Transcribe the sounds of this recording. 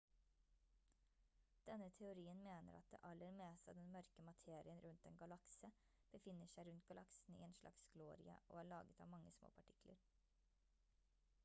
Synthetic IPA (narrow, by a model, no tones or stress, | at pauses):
d̪̥ɛnət̪ʰɛʊɾiːənmeːnə̰ɾɑt̪̚d̪ḛːʔɑləɾmeːst̪ɑ̰d̪ɛnmœɾkəmɑt̪ʰeːɾɪənɾʉnt̪̚d̪ɛnɡɑlɑksə | b̥əfɪnːəʂæɪɾʉnt̪̚ɡɑlɑksn̩ḭːeːnʃlɑ̰ksɡloːɾɪ̰ə̰ʔo̰ːæːɭɑːɡət̪ɑ̰ːʋmɑŋːəsmo̰ːpʰɑʈʰɪkʰlə̰ɾ